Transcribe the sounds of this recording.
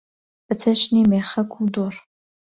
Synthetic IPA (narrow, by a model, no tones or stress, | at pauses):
ɨt͡sʰɐʃniːmeːχɐkʷʰʊldor